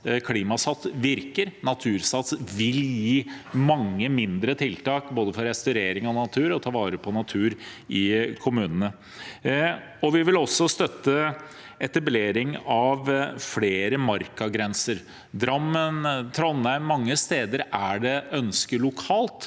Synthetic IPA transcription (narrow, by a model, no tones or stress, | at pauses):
kʰliːmɑsɑt̪ːʋɪɾkəɾnɑt̪ʰʉːɾsɑt̪sʋɪljiːmɑŋːəmɪnd̪ɾət̪ʰɪlt̪ɑːkboːd̪əfɔɾɛst̪œʉɾeːɾɪŋɔnɑt̪ʰʉːɾɔt̪ʰɑːʋɑːɾəpʰɔnɑt̪ʰʉːɾɪkʰʊmʉːnənə | ɔʋɪʋɪlɔsːɔst̪œt̪ːə | ɛt̪ɑbleːɾɪŋɑʋfleːɾəmɑɾkɑɡɾɛnsəɾ | d̪ɾɑmːənt̪ʰɾɔnːæɪnmɑŋːəst̪eːd̪əɾæɖɛœnskəɭʊkʰɑːlt̪